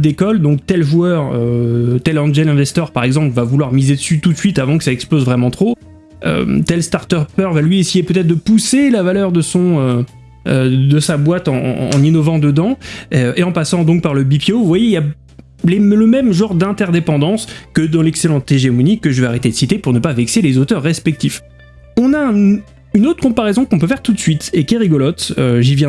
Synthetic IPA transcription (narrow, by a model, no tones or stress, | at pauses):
d̪ekɔld̪ɔ̃k̚t̪ɛlʒuœʁøt̪ɛlɑ̃ʒɛlɛ̃vɛst̪œʁpaʁɛɡzɑ̃plvavulwaʁmized̪əsyt̪ut̪sɥit̪avɑ̃kəsaɛksplozvʁɛmɑ̃t̪χo | ø̰t̪ɛlst̪aʁt̪œpœʁvalɥiesejepøt̪ɛt̪χd̪əpuselavalœʁd̪əsɔ̃ø | d̪əsabwat̪ɑ̰̃ːninɔvɑ̃d̪əd̪ɑ̃eɑ̃pasɑ̃d̪ɔ̃k̚paʁləbipiovwajeilja | leləmɛmʒɑ̃ʁd̪ɛ̃t̪ɛʁd̪epɑ̃d̪ɑ̃skəd̪ɑ̃lɛkselɑ̃t̪eʒemɔnikəʒəveaʁet̪ed̪əsit̪epuʁnəpavɛkselezot̪œʁːɛspɛk̚t̪if | ɔ̃naɛ̃ | ynot̪χəkɔ̃paʁɛzɔ̃kɔ̃p̬øfɛʁt̪ut̪sɥit̪ekʲiɛʁiɡɔlɔt̪øʒivjɛ̃